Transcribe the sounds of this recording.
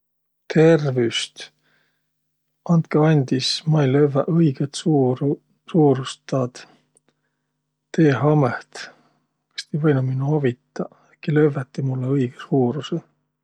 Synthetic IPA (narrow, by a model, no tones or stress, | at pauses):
t̪ʰe̞rvyst̪ | ɑnt̪̚keɑnʲd̪̥ismɑijløvʔɤjɡ̥et̪s | suːɾust̪ːɑːd̪̥ | t̪eːɦɑmeht̪ | kɑ̥st̪ejvɤjnuminːuɑvit̪ːˑɑ | ekilø̞vːet̪ːimulːeɤjɡ̥esuːɾuse